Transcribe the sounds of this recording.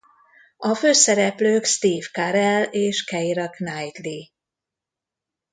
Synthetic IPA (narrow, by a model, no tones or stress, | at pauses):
ɒføːsɛɾɛpløːkst̪iːvkaɾɛleːʃkɛjɾɒknajt̪li